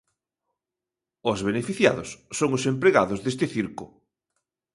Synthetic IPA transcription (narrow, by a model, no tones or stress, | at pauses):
ozβenefiθja̰ðʊ̰sːoŋʊsempɾeɣaðʊzðest̪ɪθiɾkʊ